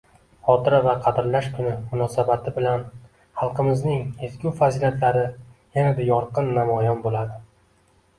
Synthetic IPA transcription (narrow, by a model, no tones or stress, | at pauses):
χɒt̪ʰɪɾavaqʰɑd̪ɪɾlaʃkʰʊnɪmʊnɒsabat̪ʰɪbɪlan | χɑlˠqɨmɪznɪŋezkʲuwfazilʲat̪ʰlaɾɪjanad̪ajɒɾqʰɨnːamɒjɒnbolad̪ɪ